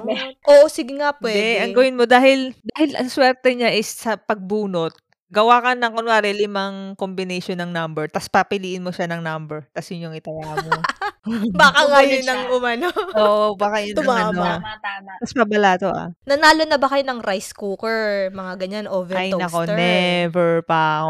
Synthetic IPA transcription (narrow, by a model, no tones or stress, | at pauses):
ʔoʔosɪɡɪŋapwɛd̪ɛdʔɐŋɡɐwɪnmod̪aːhɪld̪aːɦɪlswɛɾt̪ɛɲaʔɪsːɐpɐɡ̚buːnot̪̚ | ɡɐwaːkɐnɐŋkonwaɾɛlɪmaŋkombɪnɛjʃonːɐŋnɐmbɛɹt̪ɐspɐpɪliːʔɪnmoʃanɐŋnɐmbɛɹt̪ɐsjʊɲjoŋɪt̪ɐwaːmo | baːkaŋajʊnɐŋʔʊmɐnooːʔobaːkajʊnʊmaɐnoɐt̪amat̪ɐspɐbɐlat̪oʔa̰nɐnaːlonɐbɐkɐjonɐŋɾajskukɛɹmɐŋaɡɐɲanʔovɛajnɐko̞nɛvɛɹpɐk